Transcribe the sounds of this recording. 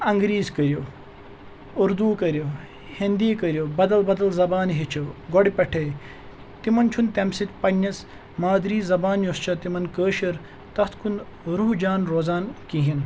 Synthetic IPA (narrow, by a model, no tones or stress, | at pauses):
ɐŋɡɾiːzkɐɾjo | uɾd̪uːkɐɾʲjo | hind̪iːkɐɾjobɐd̪ɐlbɐd̪ɐlzɐbaːnɦit͡ʃʰɐɡoɽʲpʲɐʈʰɐj | t̪imɐnt͡ʃʰunt̪ɐmsit̪ʲpɐnʲːɐs | maːd̪ɾiːzɐbaːnjost͡ʃʰɐt̪imɐnkəːʃɐɾ | t̪ɐt̪ʰkun | ɾuɦd͡ʒaːnɾoːzaːnkiɦin